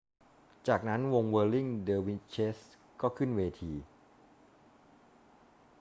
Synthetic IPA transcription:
t͡ɕaː˨˩k̚na˦˥nwo˧ŋwɤː˧li˥˩ŋdɤː˧wi˦˥t͡ɕʰeː˦˥s | kɔː˥˩kʰɯ˥˩nweː˧t̪ʰiː˧

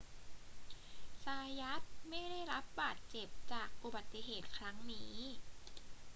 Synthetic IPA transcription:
saː˧ja˦˥t̪̚ma˥˩jda˥˩jɾa˦˥p̚baː˨˩t̪̚t͡ɕe˨˩p̚t͡ɕaː˨˩k̚ʔu˨˩ba˨˩t̪ːi˧˨ɦeː˨˩t̪̚kʰɾa˦˥ŋniː˦˥

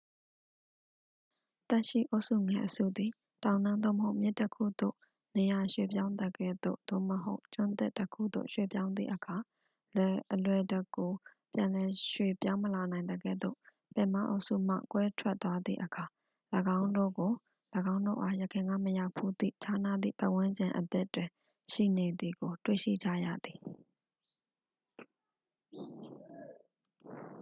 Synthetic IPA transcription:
t̪ɛ˦ʔʃḭ˦˨ʔo˦ʊʔsu˦˨ŋɛ̃˨ʔəsṵ˦˨d̪i˨ | tã˨ʊ̃nã˦nd̪o̰˦˨məɦo˦ʊʔmjɪ˦ʔtːə˦kʰṵ˦˨d̪o̰˦˨ | ne˨ja˨ʃwḛ˦˨pjã˦ʊ̃nd̪ə˦˨ɡɛ̰˦˨d̪o̰˦˨d̪̥o̰˦˨məɦo˦ʊt͡ɕʊ̃˦nt̪ɪ˦ʔtːəkʰṵ˦˨d̪o̰˦˨ʃwḛ˦˨pjã˦ʊ̃nd̪ðḭ˦˨ʔəkʰa˨ | lɛ˨ʔəlwɛ˨dɛ˦˨kːo˨ | pjã˨lɛ˨ʃwḛ˦˨pjã˦ʊ̃məla˨nã˨ɪ̃nd̪əɡɛ̰˦˨d̪o̰˦˨ | pɛ̰̃˨ma̰˦˨ʔo̰˦˨ʔsṵ˦˨m̥a̰˦˨kwɛ˦tʰwɛ˦ʔt̪wa˦d̪ðḭ˦˨ʔəkʰa˨ | ləɡã˦ʊ̃ndo̰˦˨ɡo˨ | ləɡã˦ʊ̃ndo̰˦˨ʔa˦˨jəkʰɪ̃˨ŋɡa̰˦˨məja˦˨ʊpʰu˦d̪ḭ˦˨t͡ɕʰa˦na˦˨d̪ḭ˦˨pa̰˦˨ʔwɪ̃˦ɲd͡ʑɪ̃˨ʔət̪ɪ˦ʔtːwɪ̃˨ | ʃḭ˦˨ne˨d̪i˨ɡo˨twḛ˦˨ʃḭ˦˨d͡ʑa̰˦˨jä̰˦˨d̪i˨

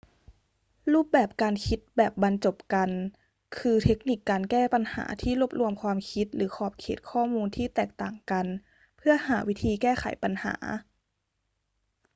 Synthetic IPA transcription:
ɾuː˥˩p̚bɛː˨˩p̚kaː˧nkʰi˦˥t̪̚bɛː˨˩p̚ba˧nt͡ɕo˨˩p̚ka˧n | kʰɯː˧t̪ʰe˦˥k̚ni˨˩kːaː˧nkɛː˥˩pa˧nha̰ː˩˦t̪ʰiː˥˩lo˦˥p̚lu˧˥əmkʰwaː˧mkʰi˦˥t̪̚lɯː˩˦xʰɔː˨˩p̚kʰeː˨˩t̪̚kʰɔː˥˩muː˧nt̪ʰiː˥˩t̪ɛː˨˩k̚t̪aː˨˩ŋka˧n | pʰɯ˥˩ɐhaː˩˦wi˦˥t̪ʰiː˧kɛː˥˩xʰa̰˩˦jpa˧nha̰ː˩˦

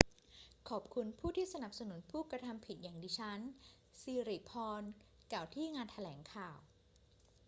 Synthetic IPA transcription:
kʰɔː˨˩p̚kʰu˧npʰuː˥˩t̪ʰiː˥˩sa˧na˨˩p̚sa˧nu˨˩˦npʰuː˥˩kɾa˧t̪ʰa˧mpʰi˨˩t̪̚jaː˨˩ŋdiː˧t͡ɕʰa˦˥n | siː˧ɾiː˨˩pʰɔː˧n | ka˨˩wt̪ʰiː˥˩ŋaː˧nt̪ʰa˧lɛː˩˦ŋkʰaː˨˩w

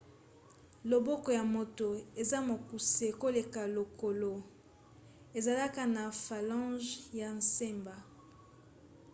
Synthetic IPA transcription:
lo˨bɔ˦kɔ˨ja˨mo˨to˨e˨za˦mo˨ku˨se˨ko˦le˨ka˨lo˨ko˨lo˨ | e˨za˨la˦ka˨na˨fa˨lɑ̃˦ʒja˨n˨se˦mba˨

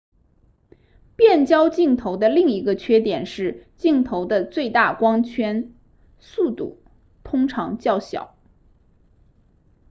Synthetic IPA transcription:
pjɛ˥˩nt͡ɕjɑ˥ʊt͡ɕi˥˩ŋt̪ʰo˧˥ʊd̪ə˧li˥˩ŋi˧˥ɡə˧t͡ɕʰɥɛ˥t̪jɛ˨˩nʂɻ̩˥˧t͡ɕi˥˩ŋt̪ʰo˧˥ʊd̪ə˧t͡swe˥˧ɪt̪a˥˩kwɑ˥ŋt͡ɕʰɥɛ˥n | su˥˧t̪ṵ˥˩ | t̪ʰʊ˥ŋʈ͡ʂʰɑ˧˥ŋt͡ɕjɑ˥˩ʊɕjɑ̰˨˩˦ʊ

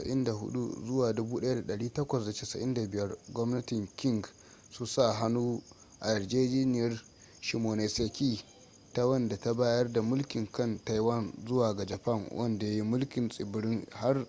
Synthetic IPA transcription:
sɐ̰˨ʔɪ̰˦nda˨ɦʊ̰˦ɗṵ˦zʊ˦waː˨dʊ˦buː˦ɗɐ˦ja˦da˨ɗɐ˨ɽiː˦tɐ˦kʷɐ˨sda˨t͡ʃe˦˨sɐ̰˨ʔɪ˦nda˨bɪ˨jɐ˦rɡʷɔ˦mnɐ˦tɪ˨ŋkʲɪ˦ŋɡ | sʊ˦nsa˦˨ɦa˦nuː˦ | ʔa˨jɐ˨rd͡ʒeː˦d͡ʒiː˦nɪ˨jɐ˦r | ʃi˨moː˨ne˨seː˨kʲiː˦ | ta˦wɐ˦nda˨ta˦baː˦jɐ˦rda˨mʊ˦lkʲɪ˨ŋkɐ˦nta˦jwɐ˦˨nzʊ˦waː˨ɡa˨d͡ʒɐ˨pɐ˦˨ŋwʔɐ̰˦nda˨ja˦ji˦mʊ˦lkʲɪ˨nsʼɪ˨bɪ˨˦ɽɪ˦ŋha˦r

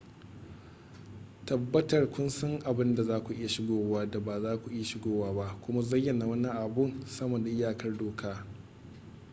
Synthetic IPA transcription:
tɐ˨bːɐ˦tɐ˨rkʷʊ˦nsɐ˦ŋʔa˨bɪ˦nda˨zaː˦kʷu˨ʔɪ˦ja˨ʃɪ˦ɡʷoː˨waː˦da˨baː˨zaː˦kʷu˨ʔɪ˦ja˨ʃɪ˦ɡoː˦waː˦ba˦ʔkʷʊ˦ma˦zɐ˦jːɐ˨naː˨wɐ˦ni˦ʔa˨bʊ˦nsɐ˦mɐː˨da˨ʔɪ˦jaː˨kɐ˦rdoː˨kʰaː˦

